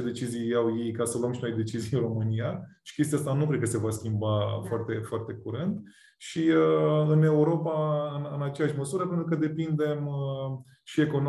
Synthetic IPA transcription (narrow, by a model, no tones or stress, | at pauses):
ed̪e̞t͡ʃizijawjejkasəluəmʃino̞jd̪e̞t͡ʃizijro̞mɨnijaʃi̥kʲest̪ijast̪anukɾed̪̚kəse̞vaskʲimbafoart̪e̞foart̪e̞kuɾɨnd̪ | ʃiəɨne̞uɾo̞paɨnɨnat͡ʃejaʃʲməsuɾəpe̞nt̪ɾukəd̪e̞pind̪e̞mə | ʃie̞ko̞n